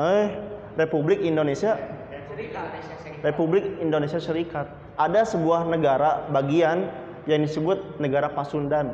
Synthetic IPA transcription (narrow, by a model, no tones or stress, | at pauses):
əh | republɪkindonesia | republɪk̚indonesiasəɾikat̪̚ | ʔadasəbuahnəɡaɾabaɡian | jaŋdisəbʊt̪̚nəɡaɾapasundan